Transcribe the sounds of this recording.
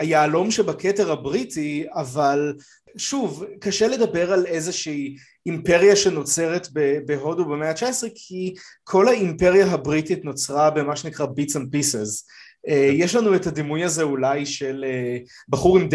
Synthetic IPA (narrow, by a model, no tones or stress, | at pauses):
hajaːlo̞mʃebakʰeteʁhabʁitiaval | ʃuvkaʃele̞d̪ɐbe̞ʁale̞zeʃiː | mpeʁjaʃe̞no̞t͡se̞ʁetbebeɦo̞dubemeat͡ʃaesʁekʰikʰo̞laimpe̞ʁjaɦabʁititno̞t͡sʁabe̞maʃenikʁabit͡san̚pisez | ejeʃlanuetad̪imujazeulajʃele | baχuʁimd